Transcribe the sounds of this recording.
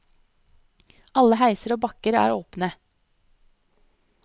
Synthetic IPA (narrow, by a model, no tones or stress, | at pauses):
ʔɑləhæɪsəɾoːbɑkəɾæ̰ːɾoːpnə